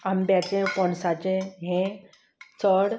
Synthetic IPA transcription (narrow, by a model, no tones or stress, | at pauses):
ambjat͡ɕẽkɔ̃ɳsat͡ɕẽɦẽ | t͡səɽ